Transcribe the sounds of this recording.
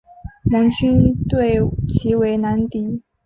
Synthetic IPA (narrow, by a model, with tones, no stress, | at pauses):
mɤ˧˥ŋt͡ɕy˥nt̪we˥˩ɪt͡ɕʰi˧˥we˧˥ɪna˧˥nt̪i˧˥